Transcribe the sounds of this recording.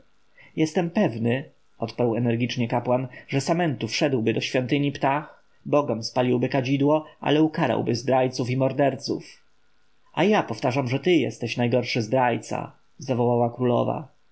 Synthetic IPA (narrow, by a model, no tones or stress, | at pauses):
jɛst̪ɛmpɛvnɘ | ɔt̪paɾwɛnɛɾɡʲit͡ʂɲɛkapwanʐɛsamɛnt̪ufʂɛd̪wbɘd̪ɔɕfʲjɔnt̪ɘɲipt̪ax | bɔɡɔmspalʲiwbɘkad͡ʑid̪wɔʔa̰lɛukaɾa̰wbɘzbɾajt̪sufimɔɾd̪ɛɾt̪sṵf | ajapɔft̪aʐamʐɛt̪ɘjɛ̰st̪ɛɕnajɡɔɾʂɘzbɾajt̪sa̰ | zavɔwawakɾulɔ̰va̰